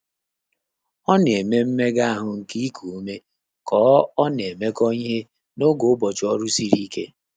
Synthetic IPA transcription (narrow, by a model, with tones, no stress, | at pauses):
ɔ˦n˨e˨me˦m̩˦me˦ɡa˦a˦ɦʊ˨ŋ̩˨ki˦i˦kʰu˨˦me˦ | kɔː˨˦ɔ˦n˨e˨me˦kɔ˦ɲi˦ɦe˦ | no˦ɡo˨ʊ˦bɔ˨t͡ʃɔ˦ɾu˦si˦ɾi˦ke˦